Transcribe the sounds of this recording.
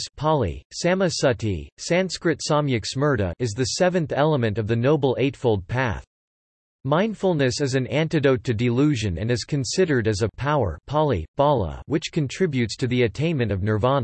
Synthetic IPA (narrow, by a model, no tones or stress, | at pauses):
spʰɑlˠḭsæmɨsʌtḭsæ̃nskɹɨtsɑmjɨksmɜ˞ɾɨ̰ʔɨzðɨsɛvɨ̃nθɛlˠəmɨ̃ntʌvðɨnoʊbl̩ˠeɪtfoʊlˠd̚pʰæ̰θ | mãɪ̃nd̥fl̩ˠnɨsɨzɨ̃næ̃ntɨdoʊtʰɨdɨlʉʒɨ̃nɨ̰̃nɨz̥kʰɨ̃nsɪɾə˞ɾɨzɨpʰaʊə̰˞pʰɑlˠib̥ɑlˠə̰wɨt͡ʃkʰɨ̃ntʰɹ̥ɪbjʉtstʰɨðiɨtʰẽɪ̃nmɨ̃ñtʌvnə˞vɑnə